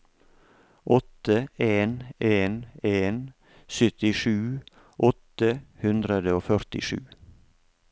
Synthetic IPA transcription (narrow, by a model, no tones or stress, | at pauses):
ʔɔt̪əeːneːneːn | sʏt̪ɪʃʉː | ʔɔt̪əhʉnd̪ɾəd̪əoːfœɾt̪ɪ̰ʃʉ̰ː